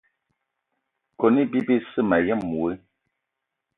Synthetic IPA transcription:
kɔ˨ni˦bi˦bi˦sɨ˦˨ma˨jɛ˦˨mːu˨e˦

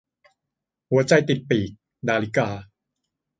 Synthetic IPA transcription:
hu˩˦ɐt͡ɕa˧jt̪i˨˩t̪̚piː˨˩k̚ | daː˧li˦˥kaː˧

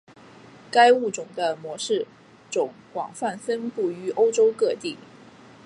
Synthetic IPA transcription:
ka˥ɪu˥˩ʈ͡ʂʊ˨˩ŋd̪ə˦mwɔ˧˥ʂɻ̩˥˩ | ʈ͡ʂʊ˨˩ŋkwɑ̰˨˩ŋfa˥˩nfə˥npu˥˩y˧˥ʔo˥ʊʈ͡ʂo˥ʊkɤ˥˧t̪i˥˩

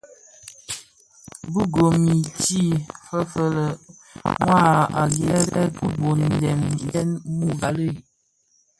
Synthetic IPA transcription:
bu˦ɡo˨mi˨t͡ʃi˦˨fə˦fə˨lə˨ | mwa˦˨a̰˨ɡɛ˦ɾɛ̰˦bə˦bo˨n˨dɛ˨m˦dɛ˦nmu˦˨ɡa˨lə˦˨

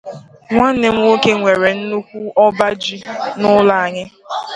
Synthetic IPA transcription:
ŋʷa˦ne˨ŋ̩˦o˦ke˦ŋʷe˨ɾe˨n̩˦nu˦kʷu˦ɔ˦ba˦d͡ʒi˦nʊ˦la˨a˨ɲɪ˦

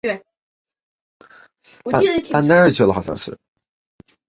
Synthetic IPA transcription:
a˥˧pa˥˧nna˥ə˥˩t͡ɕʰɥɛ˥˩lə˧˩xɑ˨˩ʊɕjɑ̰˥˧ŋʂɻ̩˥˩

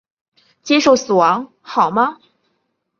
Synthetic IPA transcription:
t͡ɕjɛ˥ʂo˥˩ʊsɹ̩˨˩wɑ˧˥ŋ | xɑ˨˩ʊmɐ˦

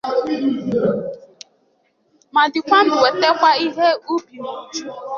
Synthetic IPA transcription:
ma˨dɪ˨kʷa˦mʊ̃˨we˨te˦kʷa˦i˦ɦe˦u˦bi˨mu˨t͡ʃu˦

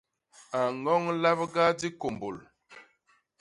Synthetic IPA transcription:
a˨ŋɔ˦ŋla˦bɡa˦di˦ko˨mbo˨l

